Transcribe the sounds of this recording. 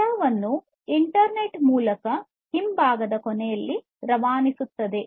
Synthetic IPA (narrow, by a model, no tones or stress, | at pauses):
aːʋɐnːu | iɳʈɐɾneʈmuːlɐkɐ | himbʱaːɡɐd̪ɐkonɛjɐlːi | ɾɐʋaːnisut̪ːɐd̪e̞